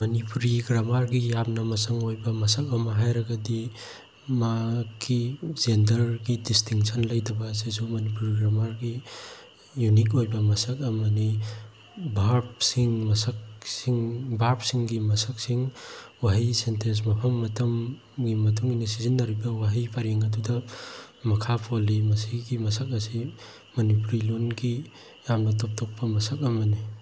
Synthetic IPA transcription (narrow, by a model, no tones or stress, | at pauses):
mɐnipuɾiɡɾamaɾɡijapnɐmɐsɐŋojbɐmɐsɐkɐmɐɦajɾɐɡɐdi | makizendɐɾɡidistiŋsɐnlɐjdɐbɐsisumɐnipuɾiɡɾamaɾɡi | junik̬ojbɐmɐsɐk̚ɐmani | bʱaɾp̚siŋmɐsɐk̚siŋbʱaɾp̚siŋɡimɐsɐk̚siŋwaɦisentʰes̬mɐpʰɐmːɐtʰɐm | ɡimɐtʰuŋinisizinːaɾibɐwaɦijpʰaɾeŋɐdudɐmɐkʰapʰolimɐsiɡimɐsɐk̚ɐsi | mɐnipuɾilonɡi | jamnɐtʰɔp̚tʰɔk̚pɐmɐsɐk̚ɐmɐni